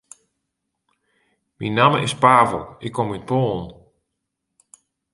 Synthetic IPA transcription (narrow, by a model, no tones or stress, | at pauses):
minaməɪspaːvə̰lˠɪkʰːomyt̚poːn